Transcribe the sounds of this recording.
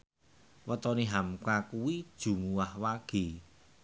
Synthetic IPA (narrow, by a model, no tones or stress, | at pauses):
wət̪ɔniɦamkakuwid̥ʒ̥ṳmuwahwaɡ̥e̤